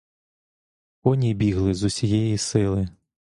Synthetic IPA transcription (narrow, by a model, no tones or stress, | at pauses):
ɔnʲibʲiɦlˠɪzʊsʲijɛjisɪlˠɪ